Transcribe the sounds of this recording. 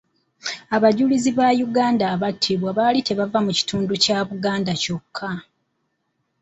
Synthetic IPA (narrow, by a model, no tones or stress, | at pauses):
aβaɟuliziβajuɡaːndaːβatʰːiβwaβalite̞βavamuci̥tuːnducaβuɡaːndaco̞kʰːa